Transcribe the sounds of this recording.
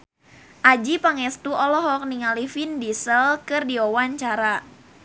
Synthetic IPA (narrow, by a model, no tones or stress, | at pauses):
ʔad͡ʒipaŋɛst̪uʔɔlɔɦɔk̚niŋalifindisəlkɨrdiɔwaɲt͡ʃaɾa